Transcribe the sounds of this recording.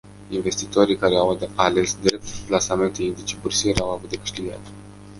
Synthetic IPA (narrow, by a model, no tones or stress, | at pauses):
inve̞st̪it̪o̞ɾijkaɾe̞awale̞sd̪ɾe̞p̚t̪plasame̞nt̪eind̪it͡ʃebursieɾawavut̪̚d̪ekɨ̥ʃt̪iɡa̰t̪